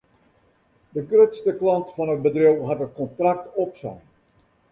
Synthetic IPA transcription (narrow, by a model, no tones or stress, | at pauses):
dəɡrøtstəklɑntfɑnət̚bədriwɦatət̚kɔntrak̚tɔpsɛ̰j